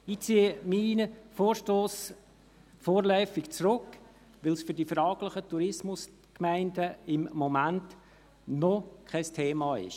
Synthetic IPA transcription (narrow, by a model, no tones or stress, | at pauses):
it͡siːəmiːnəfoːɾʃtoːs | foːɾlœʏfɪkt͡srʊkː | ʋɪlsfʏdifɾɑːɡləχətuɾɪsmʊs | kmæɪndəɪmːɔmant | nɔkʰaɪstʰeːmɑːɪ̰ʃ